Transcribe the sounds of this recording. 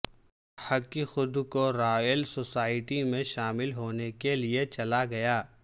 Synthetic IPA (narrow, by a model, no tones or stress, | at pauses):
hɐkːixʊd̪koɾaːjəlsoːsaːɪʈimẽʃaːmɪlɦoːnekeliet͡ʃɐlaɡɐjaː